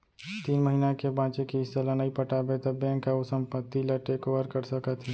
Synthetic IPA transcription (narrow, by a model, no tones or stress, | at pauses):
t̪iːnməɦinakebãːt͡ʃekiɪsːelənaipəʈaːbet̪əbɛ̃ːŋkaʊsə̃mpət̪ːilaʈeːkoʋəɾkəɾsəkət̪ɦɛ